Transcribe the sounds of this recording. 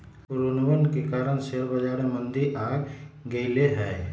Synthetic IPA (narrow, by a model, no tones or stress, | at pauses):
ɾʊnʋənkekaːɾəɽ̃seɾbəd͡ʒaːɾẽmə̃nd̪iʔaːɡɡəileɦɛː